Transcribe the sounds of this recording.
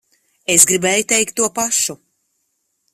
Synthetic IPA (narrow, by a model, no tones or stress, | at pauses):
esɡɾibɛːjut̪ɛjkt̪ːuɔpaʃu